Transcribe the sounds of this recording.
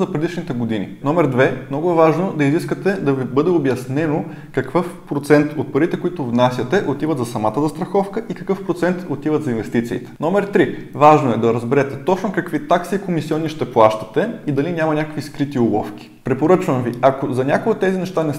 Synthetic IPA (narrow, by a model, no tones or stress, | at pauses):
zɐpɾɛd̪iʃnit̪ɛɡod̪inḭnɔmɛɾd̪vɛmnɔɡʊɛvaʒnod̪ɐiziskət̪ɛd̪ɐvibɤd̪ɛobjɐsnɛno | kɐkvɤfpɾot̪sɛnt̪ot̪̚pɐɾit̪ɛkoit̪ʊvnasʲjɐt̪ɛʔot̪ivət̪zɐsɐmat̪əzɐst̪ɾɐxɔfkəʔikɐkɤfpɾot̪sɛnt̪ot̪ivət̪zɐinvɛst̪it̪sḭːt̪ɛ̥nɔmɛɾt̪ɾivaʒnoɛd̪ɐɾɐzbɛɾɛt̪ɛt̪ɔt͡ʃnokɐkvit̪aksiːkomisiɔnːiʃt̪ɛplˠaʃt̪ɐ̥t̪ɛid̪ɐlinʲamɐnʲakəkviskɾit̪iolˠɔ̰fk̟ʲi̥pɾɛpoɾɤt͡ʃvɐmviɐkozɐnʲakoɡət̪ːɛzinɛʃt̪anɛ